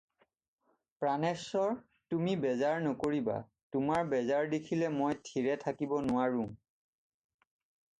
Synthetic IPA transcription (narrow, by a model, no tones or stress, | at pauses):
pɹanɛsɔɹ | tumibɛzaɹnɔkoɹiba̰ | tʊmaɹbɛzaɹdekʰilɛmojtʰiɹɛtʰakibɔnʊwaɹũŋ